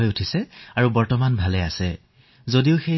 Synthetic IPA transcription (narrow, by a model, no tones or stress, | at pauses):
ɔjutʰisɛaɹubɔɹtɔmanbʱalɛasɛ | zodiʊxe